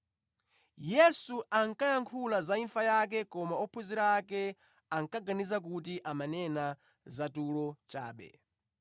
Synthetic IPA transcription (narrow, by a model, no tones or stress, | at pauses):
jɛsuʔaŋkajaŋkʰulazaiɱfajak̬ɛkɔmaɔpʰuziɾaːkɛ | aŋkaɡanizak̬ut̬iʔamanɛna | zatulɔt͡ʃa̰ːɓɛ̰